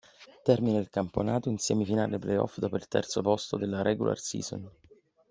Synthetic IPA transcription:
t̪ɛrmineilkamponaːt̪oinsjɛːmefina̰ːleplejɔ̰fd̪ɔːpoilt̪ɛ̰rt̪sopɔst̪od̪elːaɾʔɛɡṵlʔa̰rsḭːzɔ̰n

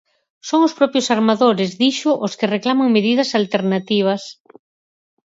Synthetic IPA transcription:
soŋʊspɾɔpjʊsaɾmaðoɾɪzðiʃʊʔoskereklamaŋmeð̞ið̞ɐsalt̪eɾnat̪iβ̞ɐs

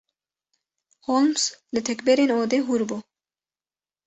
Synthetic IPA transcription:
holmslɪt̪ʰɛkbɛɾenoːd̪eɦuɾbo

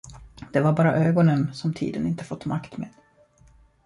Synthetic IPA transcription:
d̪̥ɛvaɾbɑːɾa̰ʔøːɡɔnənsɔmt̪ʰḭːd̪ənɪnt̪əfɔt̪ːmakt̪mḛːd̪̥

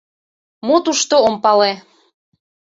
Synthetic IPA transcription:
mot̪uʃt̪oompɑle

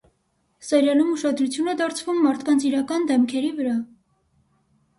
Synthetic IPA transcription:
sɛɾjɑlumuʃɑd̪ɾut͡sʰjunɛd̪ɑɾt͡sʰvumːɑɾt̪ʰkɑnt͡sʰiɾɑkɑnd̪ɛmkʰɛɾivəɾɑ

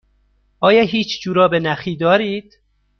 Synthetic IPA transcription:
ʔɒːjɒːɦiːt͡ʃʰd͡ʒuːɾɒːbenæxiːd̪ɒːɾiːd̪̥

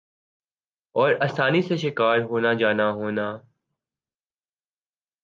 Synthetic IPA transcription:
ɔːɾɐsaːniseʃɪkaːɾɦoːnad͡ʒaːnaɦoːnaː

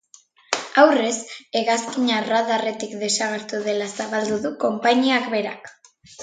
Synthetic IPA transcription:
awre̞se̞ɣaskiɲaraðare̞t̪ikd̪e̞saɣ̞e̞ɾt̪uðe̞lasaβald̪uðuko̞mpaɲiakbe̞ɾak

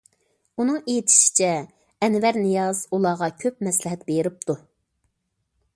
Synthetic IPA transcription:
unɨŋejit̪ʰi̥ʃi̥t͡ʃʰɛ | ɛnwɛɾnɨjɑz̥ulˠɑʁɑkʲʰøp̚mɛslɪɦɛt̪̚beɾɪp̚t̪ʰu

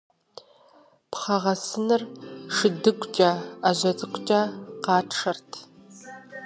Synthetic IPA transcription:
pχɐʁɐsɨnɨrʂɨdɨkʷʼt͡ʃʼaaʑɐt͡sʼɨkʷʼt͡ʃʼaːqɑːtʰʂɐrtʰ

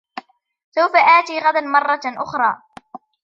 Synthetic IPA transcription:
sawfaʔaːt̪iːɣad̪anmɑrˤːɑʔʊxɾˤɑː

